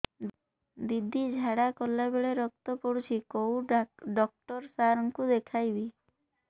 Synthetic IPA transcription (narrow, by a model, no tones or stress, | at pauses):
d̪id̪ʱid͡ʒʱaɽakɔlːabeɭeɾɔk̚t̪ɔpɔɽut͡ʃʰikowɖɔk̚ʈɔɾsaɾɔŋkud̪ekʰajbi